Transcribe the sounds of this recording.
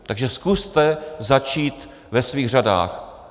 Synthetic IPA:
t̪aɡʒɛskust̪ɛzat͡ʃiːt̪ | vɛsviːɣr̝ada̰ːx

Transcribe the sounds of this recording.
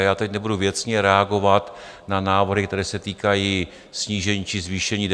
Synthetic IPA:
jaːt̪ɛcnɛbuduvjɛt͡sɲɛɾɛaɡo̞vat̪ | nanaːvrɦɪkt̪ɛɾɛːsɛt̪iːkaji | sɲiːʒɛɲiːt͡ʃɪzviːʃɛɲiːd

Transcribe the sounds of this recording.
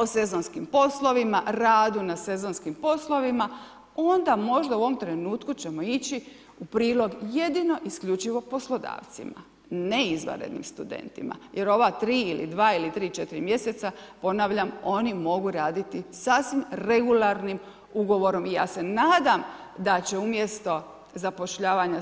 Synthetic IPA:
o̞se̞zo̞nskimpo̞slˠo̞ʋimaɾaːd̪unase̞zo̞nskimpo̞slˠo̞ʋima | o̞nd̪amo̞ʒd̪auoo̞mt̪ɾe̞nuːt̪kut͡ɕe̞mo̞it͡ɕi | upɾiːlˠo̞ɡje̞d̪ino̞ʔiskʎʲut͡ʃiʋo̞poslˠo̞d̪a̰ːʋt̪sḭma̰ | neizʋa̰ɾed̪nḭmst̪ud̪ḛnt̪ḭma̰je̞ɾo̞ʋat̪ɾiːilḭd̪ʋaːilit̪ɾiːt͡ʃe̞t̪iɾimje̞se̞t̪sapo̞naːʋʎamo̞nimo̞ɡuɾaːd̪it̪isaːsʋimɾe̞ɡulaɾnim | uɡo̞ʋo̞ɾo̞mija̰ːse̞naːd̪am | d̪at͡ɕe̞umje̞st̪o̞ | zapo̞ʃʎaːʋaɲa

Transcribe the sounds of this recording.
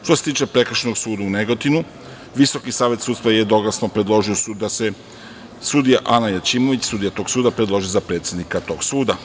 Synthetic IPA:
ʃt̪oset̪iːt͡ʃe̞pɾe̞kɾ̩ʃenoɡsuːd̪auneɡot̪inu | ʋiso̞kisaːʋje̞t̪suːt̪st̪ɾajed̪oɡlasnopɾed̪lˠo̞ʒiouse | sud̪ijaʔanajat͡ʃimo̞ʋit͡ɕsud̪ijat̪o̞ɡ̥suːd̪apɾed̪lo̞ʒijozapɾe̞t̪sje̞d̪nikat̪o̞ɡ̥suːd̪a

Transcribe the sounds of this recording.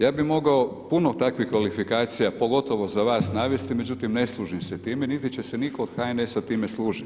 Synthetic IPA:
jaːbimo̞ɡaopunot̪akʋixkːʋalifikaːt̪sijapo̞ɡo̞t̪o̞ʋo̞zaʋaːsnaːʋje̞st̪ime̞d͡ʑut̪imne̞slˠuːʒimset̪iːmenit̪it͡ɕe̞senikoːd̪̥xaːjnesat̪iːmeslˠuːʒit̪

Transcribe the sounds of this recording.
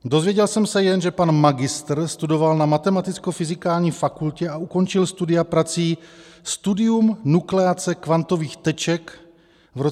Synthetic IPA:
do̞zvjɛɟɛlsɛmsɛjɛnʒɛpanmaɡɪst̪rst̪udo̞valnamat̪ɛmat̪ɪt͡skofɪzɪkaːlɲiːfakulcɛauko̞nt͡ʃɪlst̪udɪapɾat͡siːst̪udɪumnuklɛat͡sɛkvant̪o̞viːxt̪ɛt͡ʃɛk | vɾo

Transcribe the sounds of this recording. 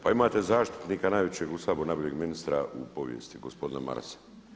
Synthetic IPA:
paimaːt̪e̞zaːʃt̪i̥t̪niːkanaːjʋet͡ɕje̞ɡusaːboɾnaboʎeɡminist̪ɾaʔṵpo̞ʋjḛst̪iɡospo̞d̪inema̰ɾse̥

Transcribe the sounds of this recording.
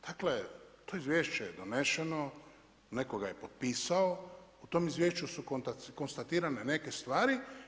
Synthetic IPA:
d̪̥aklet̪oizʋje̞ːʃt͡ɕejed̪one̞ʃe̞no | ne̞koɡaje̞pot̪̚piːsaout̪o̞mizʋjeːʃt͡ʃusukot̪ko̞nst̪at̪iːɾanene̞ke̞st̪ʋaːɾi

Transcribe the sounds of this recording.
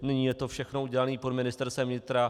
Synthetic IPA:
nɪɲiːjɛt̪o̞fʃɛxno̞uɟɛlaniːpodmɪnɪst̪ɛɾst̪ɛmvɲɪt̪ɾa

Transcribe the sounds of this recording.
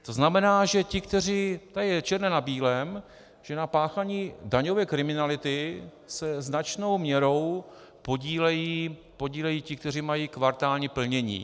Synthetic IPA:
t̪o̞znamɛnaːʒɛcɪkt̪ɛr̝iːt̪ajɛt͡ʃɛɾnɛnabiːlɛm | ʒ̥ɛnapaːxaɲiːdaɲo̞vɛːkɾɪmɪnalɪt̪ɪ | sɛznat͡ʃno̞wmɲɛɾo̞w | poɟiːlɛjiː | po̞ɟiːlɛjiːcɪk̚t̪ɛr̝imajiːkvaɾt̪aːlɲipl̩ɲɛɲḭː

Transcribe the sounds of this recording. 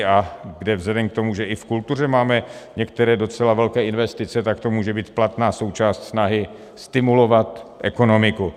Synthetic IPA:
aɡdɛvzɛdɛmk̚t̪o̞muʒɛʔɪfkult̪ur̝ɛmaːmɛɲɛkt̪ɛɾɛːdo̞t͡sɛlavɛlkɛːʔɪnvɛst̪ɪt͡sɛt̪akt̪o̞muːʒɛbiːt̪plat̪naːso̞wt͡ʃaːst̪snaɦɪ | st̪ɪmulo̞vat̪ʔɛko̞no̞mɪku

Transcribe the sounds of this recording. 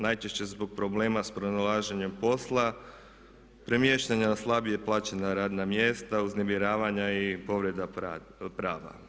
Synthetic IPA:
najt͡ʃe̞ʃt͡ɕe̞zbo̞ɡ̚pɾo̞ble̞ːmaspɾonalˠaːʒeɲe̞mpo̞slˠa | pɾe̞mjeʃt̪aɲanaslˠabijeplˠaːt͡ɕenaɾaːd̪namjeːst̪auzne̞miɾaːʋaɲaipo̞ʋɾed̪a | pɾaːʋa̰

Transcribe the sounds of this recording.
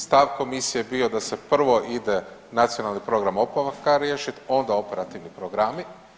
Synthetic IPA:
st̪aʋko̞misije̞bio̞d̪ase̞pr̩ʋo̞ʔid̪enat̪sijo̞nalˠnipɾo̞ɡɾamo̞paʋakaɾjeʃit̪o̞nd̪ao̞pe̞ɾat̪iʋnipɾoɡɾami

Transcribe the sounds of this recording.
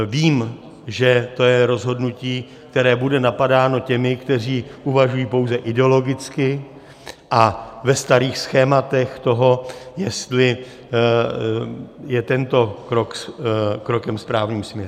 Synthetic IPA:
viːm | ʒɛt̪o̞jɛɾo̞zɦo̞dnuciː | k̚t̪ɛɾɛːbudɛnapadaːno̞cɛmɪkt̪ɛr̝iːʔuvaʒujiːpo̞wzɛʔɪdɛo̞lo̞ɡɪt͡skɪ | ʔavɛst̪aɾiːxsxɛːmat̪ɛxt̪o̞ɦo̞jɛst̪lɪ | jɛt̪ɛnt̪o̞kɾokkɾo̞kɛmspɾaːvɲiːmsmɲɛɾu

